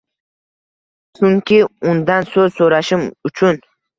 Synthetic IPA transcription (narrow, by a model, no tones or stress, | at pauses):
t͡ʃʰʊŋkʲɪʊnd̪ansɵzsoɾaʃɪmʊt͡ʃʰʊn